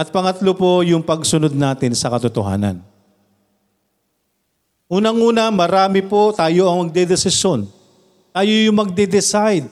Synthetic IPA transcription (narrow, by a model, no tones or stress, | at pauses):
ʔɐt̪̚pɐŋɐt̪lopo̞jʊŋpɐɡsʊnod̪̚naːt̪ɪnsɐkɐt̪ʊt̪o̰ɦa̰ːnɐ̰n | ʔuːnɐŋʔuːnɐmɐɾaːmɪpo̞t̪aːjo̞ʔɐŋmɐɡ̚d̪ɛd̪ɛsɪsjon | t̪aːjojʊŋmɐɡ̚d̪ɛd̪ɪsajd̪̚